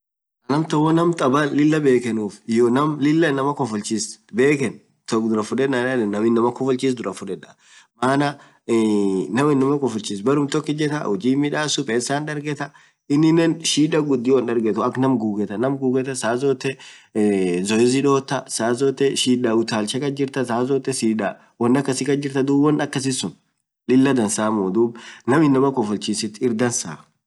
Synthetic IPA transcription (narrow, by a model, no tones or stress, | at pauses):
ɐnɐmt̪ɐwɔnɐmt̪ʼɐbɐlɪlːɐbe̞ːkɛnuːfɪjɔnɐmlɪlːɐnɐmɐkɔfʊlt͡ʃisbeːkɛn | t̪ɔd̪ʊɾɐfʊᶑɛanɐᶑɛnːɐmɪnːɐmɐkɔfʊlt͡ʃiːs̬d̪ʊɾɐfʊᶑɛᶑɐ | maːnɐ | nɐmɪnːɐmɐkɔfʊlt͡ʃiːs̬bɐɾʊmt̪ɔkːɪd͡ʒɛt̪ɐ̰hɔd͡ʒiːmɪᶑaːsʊpʼeːsaːnᶑɐɾɡɛt̪ɐ | ɪnːɪnɛnʃiːᶑɐɡʊd̪ːiwɐnᶑɐɾɡɛt̪ʊɐknɐmɡuːɡɛt̪ɐnɐmɡuːɡɛt̪ɐsaːzɔːt̪ːɛ | zɔɪzɪᶑoːt̪ːɐsaːzɔt̪ːɛʃiːᶑɐʊt̪aːlʃɛkɐd͡ʒɪɾt̪ɐsaːzɔt̪ːɛsiːᶑa | wɐnːɐkːɐsɪkɐd͡ʒɪɾt̪ɐd̪uːbɐnɐkːɐs̬ɪsʊn | lɪlːɐd̪ɐnsaːmuːd̪uːbnɐmɪnːɐmɐkɔfʊlt͡ʃiːsɪt̪ːɪɾd̪ɐnsaː